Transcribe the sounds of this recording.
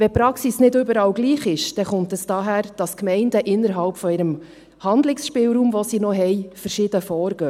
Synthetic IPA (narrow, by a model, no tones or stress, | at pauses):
vɛpɾɑksisnɪdʏbəɾɑːlɡliːχɪʃd̥ɛχʊntɛsd̥ɑːɦæːɾd̥ɑskmɛɪndəʔɪnːəɾɦɑlpfɔɪɾəm | hɑndlɪksʃpɪːwɾuːmvɔsinɔɦɛjfəɾʃɪd̥əfɔːɾɡ̥øː